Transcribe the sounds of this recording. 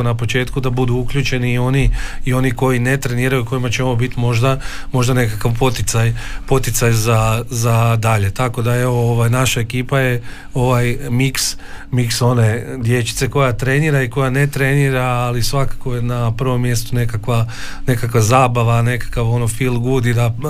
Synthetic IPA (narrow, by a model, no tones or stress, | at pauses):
onapo̞t͡ʃe̞ːt̪kud̪abud̪uukʎʲuːt͡ʃe̞niːo̞niːo̞niko̞jinet̪ɾe̞niːɾajuko̞jimat͡ʃeo̞ʋobit̪imo̞ʒd̪amo̞ʒd̪ane̞kakaʋpo̞t̪it̪sajpo̞t̪it̪sajzazad̪aʎe̞t̪ako̞d̪ae̞ʋooʋajnaʃaekiːpaje̞ | oʋajmiksmikso̞ne̞d̪je̞t͡ʃi̥t̪se̞ko̞jat̪ɾe̞niːɾaiko̞jane̞t̪ɾe̞niːɾaːlisʋakḁko̞jenapr̩ʋo̞mːje̞st̪une̞kakʋane̞kakʋazaːbaʋane̞kḁkaʋo̞nofilˠɡuːd̪id̪a